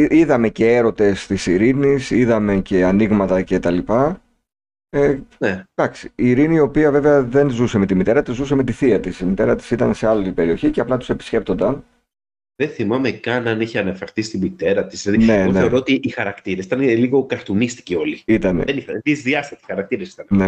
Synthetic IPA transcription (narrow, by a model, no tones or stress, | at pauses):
iðɐme̞ce̞eɾo̞t̪e̞st̪isiɾinisiðɐme̞ce̞ɐniɣmɐt̪ɐce̞t̪ɐlipɐ | ened̪̥ɐksi̥ːɾiniːo̞piɐve̞veɐðe̞nzuse̞me̞t̪imit̪e̞ɾɐt̪izuseme̞t̪iθiɐt̪isimit̪e̞ɾɐt̪i̥sit̪ɐnse̞ɐlit̪ibe̞ɾio̞çiceɐplɐt̪u̥se̞pi̥sce̞p̚t̪o̞nd̪ɐn | ðenθimɐmekɐnɐniçeɐnɐfɐɾθisi̥t̪imit̪e̞ɾɐt̪i̥sðine̞neeo̞ɾoot̪iːxɐɾɐkt̪iɾesit̪ɐnliɣo̞kɐɾt̪unist̪i̥cio̞liit̪ɐnḛðeniθɐt̪izðiɐst̪ɐst̪isi̥xɐɾɐk̚t̪iɾesi̥t̪ɐnne